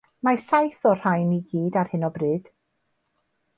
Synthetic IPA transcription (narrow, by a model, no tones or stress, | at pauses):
masajθɔr̥ajniɡiːdarhɪnɔbrɨːd̥